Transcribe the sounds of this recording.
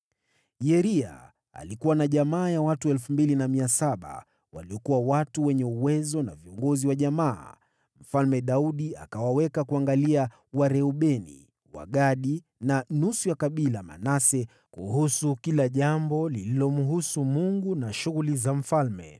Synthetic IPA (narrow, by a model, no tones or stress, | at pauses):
jɛɾia̰ | a̰likuwanaʄamaːjawatuɛlfumbilinamiasaɓa̰ | wa̰liɔkuwawatuwɛɲɛuwɛzɔna̰viɔŋɡɔziwaʄama̰ː | m̩falmɛɗauɗia̰kawawɛkakuaŋɡalia | waɾɛuɓɛnḭ | wa̰ɠaɗi | nanusujakaɓilama̰nasɛ | kuhusukilaʄambɔlililɔmuɦusumuŋɡunaʃuɣulizam̩falmɛ̰